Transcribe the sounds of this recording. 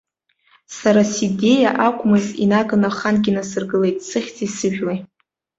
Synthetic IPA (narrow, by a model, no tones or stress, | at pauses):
saɾaside̞jaʔakʷʰʼmɨzḭnakʼanaχanɡʲinasɨrɡɨle̞jtʼsɨχʲt͡sʼisɨʒʲᶣwej